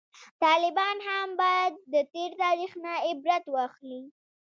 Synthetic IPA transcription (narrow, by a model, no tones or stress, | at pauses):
t̪ɑlɪbɑnhambɑjad̪̚ːət̪eɾt̪ɑɾixnaɪbɾat̪wɑxli